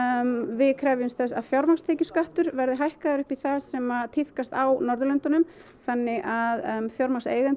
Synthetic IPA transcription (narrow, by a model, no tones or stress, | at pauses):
vɪðkʰɾɛjvʏmstθɛsa̰ðfjawɾmast̪ʰeːjcʏskaht̪ʏɾvɛɾðʏɦajhkaðaɾʏhpiθasɛmat̪ʰihkast̪awnɔɾðʏlœnt̪ʏnʏm | θanːɪʔaðfjawɾmasḛːjɣant̪